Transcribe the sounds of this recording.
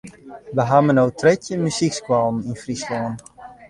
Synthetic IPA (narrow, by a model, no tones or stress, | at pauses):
ʋəɦamənowtʰrɛtjəmysikskwɔlˠn̩infrislɔn